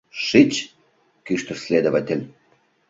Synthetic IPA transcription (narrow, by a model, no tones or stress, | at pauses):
ʃit͡ɕ | kyʃt̪ə̆rsʲlʲed̪ovat̪ʲɘ̆lʲ